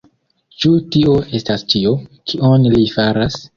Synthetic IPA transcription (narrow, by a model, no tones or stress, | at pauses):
t͡ʃutio̞ʔe̞stast͡ʃio̞kʰionlifaɾas